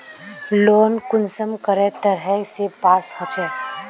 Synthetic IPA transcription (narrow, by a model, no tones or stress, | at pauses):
loːnkʊnsəmkəɾet̪əɾɦɛsepaːsɦot͡ʃɛ